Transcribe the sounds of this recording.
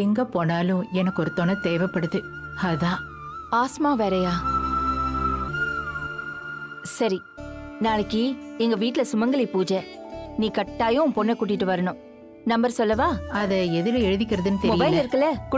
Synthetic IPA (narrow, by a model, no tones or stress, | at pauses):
ɛŋɡɐpoːnaːlʊ̃ɛnɐkːɔɾɯt̪ːonɐt̪eːʋɛpːɐɽɯðɯ | ɐðãː | aːsmaːʋeːɾɐjaː | sɐɾi | naːɭɐkːiɛŋɡɐʋiːʈːɪlɐsʊmɐŋɡɐlɪpuːd͡ʒɛ | nĩːkɐʈːaːjʊ̃pɔnːɛkuːʈ̬ːɪʈːɯʋɐɾɐɳʊ̃ | nɐmbɐɾsɔlːɐʋaːɐðɛɛðɯlɐɛɻɯðɪkʲːɪɾɐðɯnːɯt̪ɛɾmʊɪjbɐɪllɪɾɯkːɐlɐkʊ